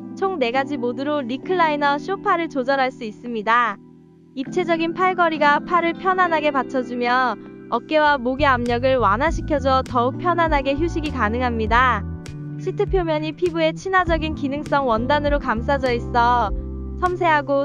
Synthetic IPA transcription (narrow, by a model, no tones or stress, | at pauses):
t͡ɕʰoŋne̞ɡad͡ʑimodɯɾoɾikʰɯɭːainʌɕʰiopʰaɾɯɭt͡ɕod͡ʑʌɾɦaɭs͈uis͈ɯmɲida | ip̚t͡ɕʰe̞d͡ʑʌɡinpʰaɭɡʌɾiɡapʰjaɾɯɭpʰjʌnanɦaɡe̞pat͡ɕʰʌd͡ʑumjʌʌk͈e̞wamoɡeamɲʌɡɯɭwanɦaɕʰikʰjʌd͡ʑʌtʌuk̚pʰjʌnɦanɦaɡe̞çjuɕʰiɡikanɯŋɦamɲida | ɕʰitʰɯpʰjomjʌɲipʰibue̞t͡ɕʰinad͡ʑʌɡinkinɯŋs͈ʌŋwʌndanɯɾokams͈ʰad͡ʑʌis͈ʌ | t͡ɕʰʌmsʰe̞ɦaɡo